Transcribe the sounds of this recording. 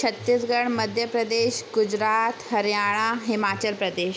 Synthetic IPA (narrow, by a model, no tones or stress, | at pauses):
t͡ɕʰət̪ːiːsɡəɽməd̪ʱjəpɾəd̪eɕɡud͡ʑɾat̪ɦəɾjaɭ̃aɦimat͡ɕəlpɾəd̪eɕ